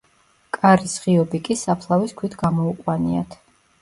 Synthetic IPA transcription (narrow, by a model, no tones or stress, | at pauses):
kʼaɾisʁiɔbikʼisapʰlˠaviskʰwit̪ʰɡamɔuqʼwania̰t̪ʰ